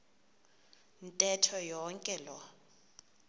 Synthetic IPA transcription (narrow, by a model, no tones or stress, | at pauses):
n̩tʼɛtʰɔjɔŋkʼɛlɔ